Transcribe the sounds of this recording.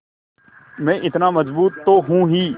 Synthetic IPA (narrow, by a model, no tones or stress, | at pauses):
mɛ̃ːʔɪt̪naːməzbuːt̪ːoːɦũːɦiː